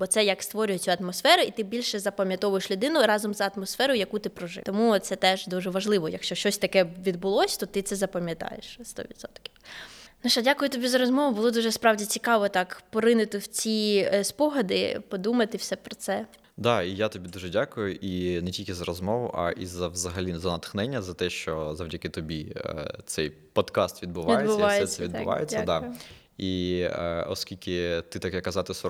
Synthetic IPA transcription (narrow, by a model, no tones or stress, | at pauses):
bɔt̪sɛjɐkst̪ʋɔɾʲʊjeiɐt̪mɔsfɛɾʊit̪ɪbʲilʲʃɛzɐpɐmʲjɐt̪ɔʋʊjeʃlʲʊd̪ɪnʊɾɑzɔmzɐɐt̪mɔsfɛɾʊjɐkut̪ɪpɾɔʒɪ̰t̪ɔmut̪sɛt̪ɛʒd̪uʒɛʋɐʒlˠɪʋɔjɐkʃt͡ʃɔʃt͡ʃɔsʲt̪ɐkɛʋʲid̪̚bʊlˠɔsʲt̪ɔt̪ɪt̪sɛzɐpɐmʲjɐt̪ɑ̰jḛʃst̪ɔ̰ʋʲit̪sɔ̰t̪kʲɪwnɐʃɐdʲakʊjʊt̪ɔbʲizɐɾɔzmɔʋʊbʊlˠɔd̪uʒɛspɾɑwdʲit͡sʲikɑʋɔt̪ɑkpɔɾɪnɪt̪ɪwt͡sʲispɔɦɐd̪ɪpɔd̪umɐt̪ɪwsɛpɾɔt̪sɛ | d̪ɑijat̪ɔbʲid̪uʒɛdʲakʊjʊʔinɛtʲilʲkʲɪzɐɾɔzmɔʋʊ̰ʔɐ̰ʔizɐʋzɐɦɐlʲizɐnɐt̪xnɛnʲːɐzɐt̪ɛʃt͡ʃɔzɐwdʲɐkɪt̪ɔbʲḭt̪sɛj | pɔt̪kɑst̪ʋʲid̪̚bʊʋʲijdebʊsɑjsɛɛid̪bʊʋɑ̰jḛt͡sʲːɐd̪ɑ | i | ɔ̰skʲilʲkɪt̪ɪt̪ɑkjɐkːɐzɑt̪ɪs